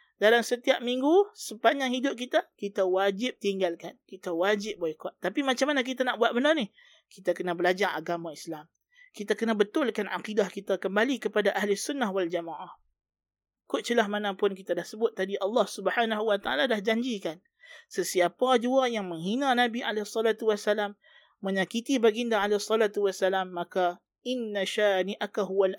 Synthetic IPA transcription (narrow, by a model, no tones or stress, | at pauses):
dalamsət̪iap̚miŋɡusəpaɲaŋhidʊp̚kit̪akit̪awad͡ʒɪp̚t̪iŋɡalkankit̪awad͡ʒɪp̚boikaʔt̪ːapimat͡ʃamːanak̬it̪anaʔbuat̪̚bənarnih | kit̪akənabəlad͡ʒaŋa̰ɡamãislam | kit̪akənabət̪ʊlkana̰qidahkit̪akəmbalikəpadaʔaɦlʊsunːahwald͡ʒamaʔah | kʊʔ̚t͡ʃilahmanãpʊnkit̪adahsəbʊt̪ːadiʔɑlːɑhsubəħanaɦuwat̪aa̰lalahd͡ʒaɲd͡ʒikan | səsiapad͡ʒuajaŋməŋɦinãnabiʔalesˤːɔlat̪uwasːalamː | əɲakit̪ibaɡiəndaalesˤːɔlat̪uwasːalamːaka | ɪnːaʃaːniʔakaɦuwal